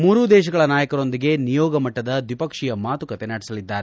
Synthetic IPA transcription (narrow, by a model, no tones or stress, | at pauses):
muːɾud̪ɛːʃ̬ɐɡɐɭɐnaːjɐkɐɾo̞nd̪iɡe̞nijɔːɡɐmɐʈːɐd̪ɐd̪ʋipɐkʂijɐmaːt̪ukɐt̪enaːɽisɐlid̪ːaːɾe